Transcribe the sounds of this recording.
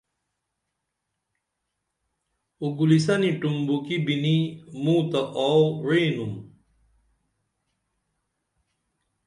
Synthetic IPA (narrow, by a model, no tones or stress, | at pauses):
uɡulis̬ɐniʈumbukibinimuːt̪ɐʔoɻeːnum